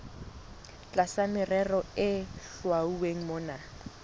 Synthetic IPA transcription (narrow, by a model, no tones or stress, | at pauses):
t͡ɬʼasamɪrɛrɔɪɬwauweŋ̩mʊːna